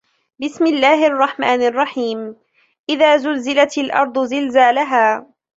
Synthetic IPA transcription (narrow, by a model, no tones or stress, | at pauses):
bɪsmɪlːaːhɪʔɑrˤːɑħmaːnɑrˤːɑħiːm | ʔɪðaːzʊlzɪlat̪alʔɑ̰ɾˤd̪ˤʊzɪlzaːlaɦaː